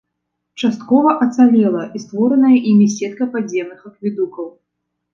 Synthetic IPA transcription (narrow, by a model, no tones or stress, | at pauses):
t͡ʂast̪̚kɔvɐʔɐt̪salʲɛlˠɐʔist̪vɔɾɐnɐjɐʔimʲisʲɛt̪̚kɐpad͡zʲɛmnɨxɐkvʲid̪ukɐw